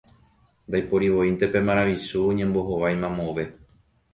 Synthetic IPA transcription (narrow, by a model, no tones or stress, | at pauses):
nd̪ajpo̞ɾiʋo̞int̪e̞pe̞mãɾ̃ãʋisuoɲẽmbo̞ɦoʋajmãmõʋe̞